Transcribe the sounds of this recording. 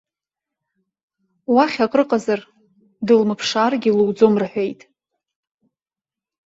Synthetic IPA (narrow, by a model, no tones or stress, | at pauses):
waχʲakʼrɨqʼazar | dɨlmɨpʰʂaːrɡʲɪluwd͡zo̞mraħʷᶣe̞jtʼ